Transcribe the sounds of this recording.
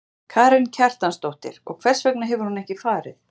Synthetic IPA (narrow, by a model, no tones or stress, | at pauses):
kʰaːɾɪncʰɛr̥t̪anst̪owht̪ɪ̰ɾ̥ɔ̰ɣkʰvɛr̥svœknaɦɛvʏɾ̥hunɛhcɪfaːɾɪθ